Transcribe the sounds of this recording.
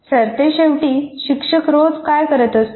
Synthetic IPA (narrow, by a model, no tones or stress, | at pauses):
səɾt̪eɕeʋʈiːɕikʂəkɾod͡zkajkəɾət̪əs